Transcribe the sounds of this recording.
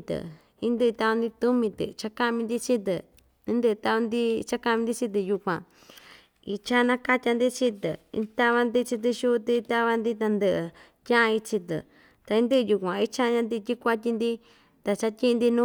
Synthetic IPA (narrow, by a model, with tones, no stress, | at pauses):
t̪ɨ̰˨ | ĩ˦nd̪ɨ˦˧t̪a˧a˧nd̪i˧t̪u˦mĩ˧t̪ɨ̰˨˧t͡ʃa˧ka˦mĩ˧nd̪i˦t͡ʃi˦t̪ɨ̰˨ | ĩ˦nd̪ɨ˦˧t̪a˧βa˧nd̪i˦t͡ʃa˦ka˧mĩ˧d̪i˦˧t͡ʃi˦t̪̬ɨ˧ju˧kʷã˨ | ḭ˧t͡ʃa˦˧nã˧ka˦tʲa˧nd̪i˦t͡ʃi˦t̪ɨ̰˨ḭ̃˧t̪a˦βa˧nd̪i˦t͡ʃi˧t̪̬ɨ˧ʃu˦˧t̪i˧t̪a˦βa˧nd̪i˦t̪̬a˧nd̪ɨ˧ʔɨ˧ | tʲã˦a˧i˧t͡ʃi˧t̪ɨ̰˨ | t̪a˧ĩ˧˦nd̪ɨ˦˧ju˧kʷã˨i˦t͡ʃa˦˧ɲã˧nd̪i˧t̪ʲi˦kʷa˦t̬ʲi˧nd̪i˦ | t̪a˧˨t͡ʃa˧tʲi˦˧nd̪i˧nũ˦